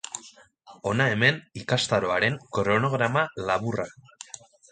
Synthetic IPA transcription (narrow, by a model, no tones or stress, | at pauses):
o̞nae̞me̞nikast̪aɾo̞aɾe̞ŋkoɾo̞no̞ɣ̞ɾamalaβura